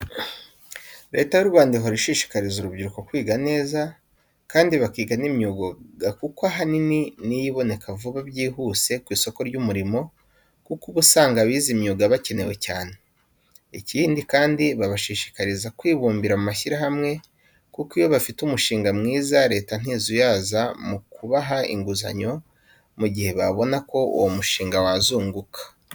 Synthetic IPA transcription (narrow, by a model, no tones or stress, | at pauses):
ɾe̞ːtajuɾuβaːndiɦoɾiʃiʃi̥kaɾizuɾubɟiɾuko̞kwiːɡane̞ːza | kaːndiβakiːɡanimɲuːɡoɡakukoaɦanininijiβo̞ne̞kavuβabɟiːɦuse̞kwiːso̞ko̞ɾɟumuɾimo̞ | kukuβusaːŋɡaβiːzimɲuːɡaβace̞ne̞we̞caːne̞ | iciːndikaːndiβaβaʃiʃi̥kaɾizakwiːβuːmbiɾamumaʃiɾaɦamŋe̞ | kukijo̞βafitumuʃiːŋɡamŋiːzaɾe̞ːtan̥iːzujaːzamukuβaɦaḭŋɡuza̰ɲo̞ | muɟihe̞βaβo̞nako̞ṵwomuʃiːŋɡawazuːŋɡukʰḁ